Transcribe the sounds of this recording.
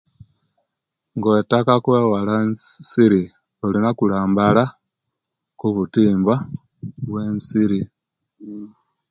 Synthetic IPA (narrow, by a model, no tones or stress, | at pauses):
ŋɡwetakakweːwalansiɾi | olinakulaːmbala | kuβutiːmbwa | βwe̞ːnsiɾi